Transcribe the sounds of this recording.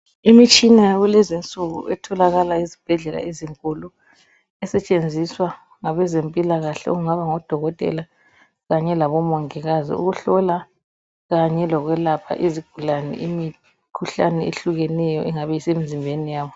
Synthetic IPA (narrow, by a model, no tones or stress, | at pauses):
imit͡ʃʼinajaβulɛzint͡sʼuɣṵɛtʰɔlaɣalaizib̥ʱɛɮɛla̰eziŋkʼulu | ɛsɛt͡ʃʼend͡zʱiswa | ŋaβɛzempʼilaɣaɬɛ̰ɔ̰ɣuŋaβaŋɔd̥ʱɔɣɔtʼɛ̰la | ɣaɲɛlaβɔmɔŋiɣazḭṵɣuɬɔla | ɣaɲɛlɔɣwɛlapʰa̰ʔiziɡ̥ʱulanɛ̰ʔimi | kʰuɬanɛeɬuɣɛnɛjɔʔɛŋaβɛisemizimbʱenijaːβɔ